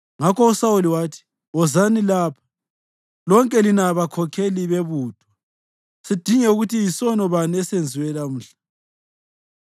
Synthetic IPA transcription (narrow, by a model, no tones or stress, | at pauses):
ŋakɔusawuliwaːtʰi̥ | ɔzanilaːpʰḁ | lɔŋkʼɛlinaβakʰɔkʰeliβeβuːd̥ʱwa | sid̥ʱiŋɛuɣutijisɔnɔβanɛsend͡zʱiwɛlam̩ːɬḁ